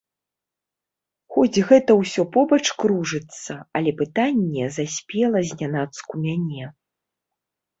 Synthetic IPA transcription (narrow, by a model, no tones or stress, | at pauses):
xɔd͡zʲɣɛt̪ɐwsʲɔpɔbɐt͡ʂkɾuʐɨt̪sːɐɐlʲɛpɨt̪anʲːɛzasʲpʲɛlˠɐzʲnʲanat̪skumʲanʲɛ